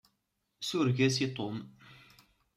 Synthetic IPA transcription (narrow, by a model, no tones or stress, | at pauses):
suɾʝæsit̪ˤom